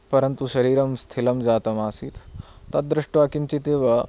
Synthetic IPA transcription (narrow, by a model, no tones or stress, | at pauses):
pɐɾɐnt̪uɕɐɾiːɾɐmst̪ʰilɐmd͡zaːt̪ɐmaːsiːt̪t̪at̪̚d̪ɾɐʂʈʋaːkinɲt͡ɕit̪eːʋɐ